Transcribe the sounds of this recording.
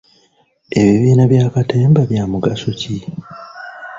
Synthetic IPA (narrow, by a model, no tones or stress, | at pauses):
e̞βiβiːnaβjaːkateːmbaβjamuɡaso̞ci